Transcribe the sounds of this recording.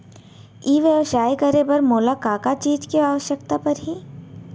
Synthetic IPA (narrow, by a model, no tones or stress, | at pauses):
iːʋjəʋʃaːjkɐɾepɐɾmoːlakaːkat͡ʃiːd͡ʒkeaːʋəʃjəkt̪apɐɾɦi